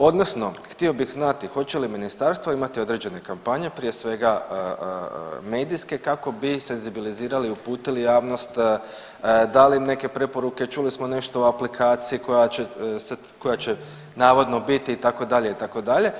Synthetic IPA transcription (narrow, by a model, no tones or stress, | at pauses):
o̞d̪nosno̞xt̪io̞bixznat̪ixo̞t͡ɕe̞liminist̪aɾst̪ʋoimat̪io̞d̪ɾe̞d͡ʑe̞ne̞kampaɲe̞pɾije̞sʋe̞ɡa | me̞ːd̪iske̞kako̞bise̞nzibiliziːɾaliupuːt̪ilijaːʋno̞st̪ | d̪alimne̞ke̞pɾe̞po̞ɾuke̞t͡ʃulismone̞ʃt̪o̞uaplikʰaːt̪siiko̞jaese | ko̞jat͡ɕe | naːʋo̞d̪no̞bit̪iːt̪ako̞d̪aʎe̞it̪ako̞d̪aʎe̞